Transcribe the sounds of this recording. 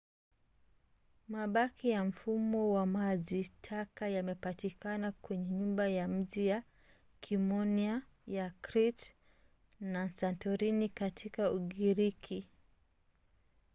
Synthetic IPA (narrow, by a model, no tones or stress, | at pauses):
maɓakijam̩fumɔwamaʄitʰakajamɛpatikanakwɛɲɛɲumbajam̩ʄija | kʰimɔnia | jakɾit | nansantɔɾinikatʰikauɠiɾikʰi